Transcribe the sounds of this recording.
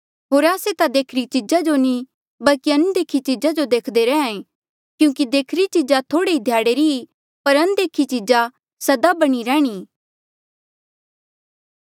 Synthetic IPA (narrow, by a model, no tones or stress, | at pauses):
ɦoːɾaːset̪ad̪eːkʰɾit͡ʃid͡ʒad͡ʒoni | bɐlkiɐnud̪eːkʰit͡ʃid͡ʒad͡ʒod̪eːkʰd̪eɾɛ̃ːãẽ | kjũːkid̪eːkʰɾit͡ʃid͡ʒat̪ʰoːɽeid̪ʱjaːɽeɾii | pɐɾɐnd̪eːkʰit͡ʃid͡ʒa | sɐd̪abɐɽ̃iɾɛːɽ̃iː